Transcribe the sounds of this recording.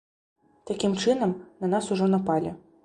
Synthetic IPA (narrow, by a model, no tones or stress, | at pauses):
t̪akʲimt͡ʂɨnɐmnɐnasuʐɔnɐpalʲɛ